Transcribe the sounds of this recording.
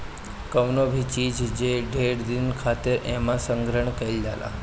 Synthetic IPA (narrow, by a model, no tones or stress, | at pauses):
kəʋnobʱit͡ʃid͡ʒd͡ʒeɖʱeɽd̪inkʰat̪eɾʔemãsəŋɡɾəɳkəild͡ʒala̰